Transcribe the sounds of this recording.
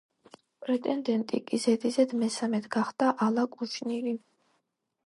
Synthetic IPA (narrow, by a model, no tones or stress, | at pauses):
pʼɾɛt̪ʼɛnd̪ɛnt̪ʼḭkʼizɛd̪izɛd̪mɛsamɛt̪ʰɡaχd̪̥aʔalˠakʼut͡ʃʰnili